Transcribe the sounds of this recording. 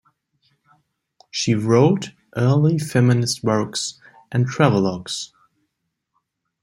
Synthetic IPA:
ʃiɹoʊt | ʔɜ˞lˠifɛmɨnɨst̚wɜ˞ks | ʔɨ̃ntʰɹ̥ævl̩ˠɔks

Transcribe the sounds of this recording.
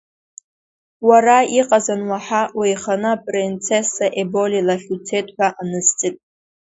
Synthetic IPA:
waɾaiqʼazanwaħawejχanɨapʼrint͡sʰesaʔebo̞lilaχʲut͡sʰe̞tʼħʷᶣaʔanɨst͡sʼɨtʼ

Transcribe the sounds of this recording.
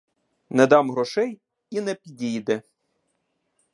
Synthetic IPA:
nɛd̪ɑmɦɾɔʃɛj | inɛpʲidʲijd̪ɛ

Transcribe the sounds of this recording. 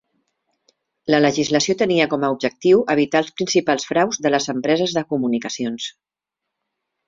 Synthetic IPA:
lələʒizləsiot̪əniəkɔməub̚ʒək̚t̪iwʔəβ̞it̪alˠspɾinsipalˠsfɾawzðələzəmpɾɛzəzðəkumunikəsions

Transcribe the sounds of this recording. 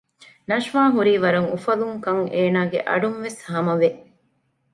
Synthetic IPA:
nɐʃʋaːɦuɾiːʋɐɾɐŋufɐluŋkɐŋeːnaːɡḛʔɐ̰ɖunʋeshɐmɐʋe

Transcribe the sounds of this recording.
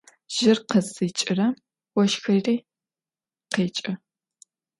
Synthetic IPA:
ʒ̥ɪrqəzɨt͡ʃʼɪrɐm | wɔʃxɐreː | qeːt͡ʃʼɪ

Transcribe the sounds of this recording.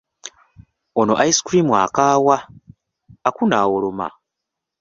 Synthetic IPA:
onoʔaiskɾimwa̰kaːwaː | kunaːwoloma̰

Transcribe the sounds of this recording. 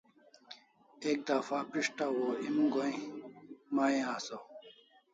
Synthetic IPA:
ek̚d̪afapiʂʈawoimɡoĩ | maːẽaːso

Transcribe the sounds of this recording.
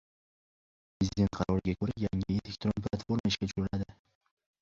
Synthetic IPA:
pɾezɪd̪ʲe̞nt̪̚qʰɑɾɒɾɪɡʲakʰɵɾajaŋɪelek̚t̪ɾonpʰlˠat̪foɾmaɪʃkʲat͡ʃʰʊ̥ʊɾɪlad̪ɪ

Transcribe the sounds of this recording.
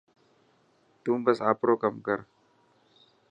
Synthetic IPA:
t̪umbasapɾokamkar

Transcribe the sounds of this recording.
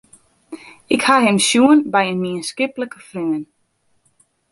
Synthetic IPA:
ɪkhaɦɪmsjuənbɛjənmiənskɪpləkəfrøːən

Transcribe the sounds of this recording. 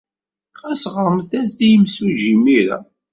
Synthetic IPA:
æsʁəɾˤmθæsd̪ijəmsuʒimiɾa̰

